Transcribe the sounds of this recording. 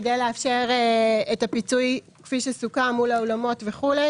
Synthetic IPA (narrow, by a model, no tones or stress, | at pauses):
dejleafʃeʁeetapit͡suj | kfiʃesukamulaolamo̞tveχule